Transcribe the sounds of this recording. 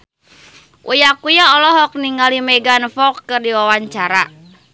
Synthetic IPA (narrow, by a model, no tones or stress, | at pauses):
ʔujakujaɔlɔɦɔk̚niŋɡalimɛɡanfɔkːərdiwawaɲt͡ʃaɾa